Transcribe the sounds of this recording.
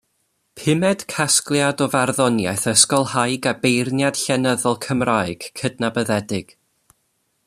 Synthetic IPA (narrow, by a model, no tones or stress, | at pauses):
pʰɪmɛd̥kʰasklˠjadɔvarðɔnjajθəskɔlˠhajɡabejrnjad̥ɬɛnəðɔlˠkʰəmraːɨɡ̥kʰədnabəðɛdɪɡ̥